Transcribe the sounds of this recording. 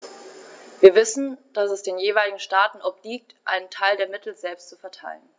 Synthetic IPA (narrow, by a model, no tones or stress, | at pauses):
viːɐvɪsn̩d̥asɛsd̥eːnjeːvaɪlɪɡŋ̩ʃtaːtn̩ʔɔp̚liːk̚tʔa̰ɪnəntʰaɪldeːɐmɪtl̩zɛlpstt͡sufɛɐtʰa̰ɪlən